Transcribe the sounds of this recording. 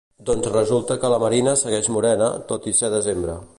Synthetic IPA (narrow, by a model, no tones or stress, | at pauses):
d̪ɔnzrəzulˠt̪əkələməɾinəsəɣɛʒmuɾɛnə̰t̪ot̪isɛðəzembɾə